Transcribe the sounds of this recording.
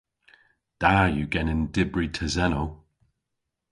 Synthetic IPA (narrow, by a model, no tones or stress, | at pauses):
d̥aːjuɡɛnɪ̃ndɪbɹitʰəzɛno